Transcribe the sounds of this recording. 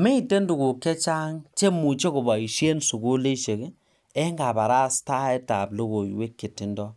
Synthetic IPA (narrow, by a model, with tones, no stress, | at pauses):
me˦i˨te˦ndu˨ku˨kːɛ˦t͡ʃa˦ŋt͡ʃe˦mu˨t͡ʃe˦kʊ˨ba˨i˨ʃe˦nsu˨ku˦le˦ʃe˨k | ɛ˦ŋɡa˨ba˨ɾa˦sta˦ɛ˦ta˨plo˦ko˨jwe˦kːe˨tːi˨ndɔ˦